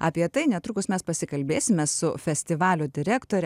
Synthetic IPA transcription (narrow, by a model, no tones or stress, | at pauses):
ɑ̰ːpʲiɛt̪ɐɪnʲɛt̪ɾʊkʊsmʲɛspɐsʲɪkɐlʲbʲeːsʲɪmʲɛssʊfʲɛsʲt̪ʲɪʋɑːlʲʊd̪ʲɪɾʲæːkt̪oːɾʲɛ